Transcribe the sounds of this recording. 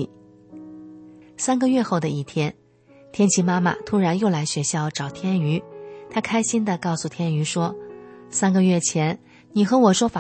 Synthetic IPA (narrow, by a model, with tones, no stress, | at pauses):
sa˥nɡə˨˧ɥɛ˥˧xo˥˩ʊd̪ə˩i˥˩t̪ʰjɛ˥n | t̪ʰjɛ˥nt͡ɕʰi˧˥ma˥ma̰˨t̪ʰu˥ɻa˧˥njo˥˩ʊla˧˥ɪɕɥɛ˧˥ɕjɑ˥˩ʊʈ͡ʂɑ˨˩ʊt̪ʰjɛ˥ny˧˥t̪ʰa˥kʰa˥ɪɕi˥nd̪ə˨kɑ˥˩ʊsu˨˩t̪ʰjɛ˥ny˧˥ʂwɔ˥sa˥nɡə˧ɥɛ˥˩t͡ɕʰjɛ˧˥n | ni˨˩xɤ˧˥wɔ˨˩ʂwɔ˥fa˨